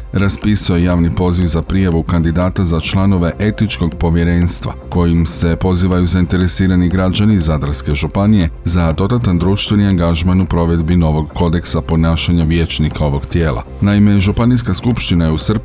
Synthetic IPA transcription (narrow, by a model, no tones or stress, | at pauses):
ɾaspisuojejaːʋnipo̞ziʋzapɾijaʋukand̪id̪aːt̪azat͡ʃlˠano̞ʋe̞ʔe̞t̪nit͡ʃko̞ɡpo̞ʋje̞ɾe̞ːnst̪ʋa̰ko̞jimse̞po̞ziːʋajuzaint̪e̞ɾe̞siːɾaniɡɾad͡ʑanizad̪ɾaske̞ʒupanije̞zad̪o̞d̪at̪and̪ɾuʃt̪ʋeniaŋɡaʒmanupɾo̞ʋe̞d̪bino̞ʋo̞ɡːo̞d̪e̞ksapo̞naːʃaɲaʋje̞ːt͡ʃnikao̞ʋo̞ɡt̪je̞ːlˠa̰ | naime̞ʒupaniskaskupʃt̪inajeusr̩b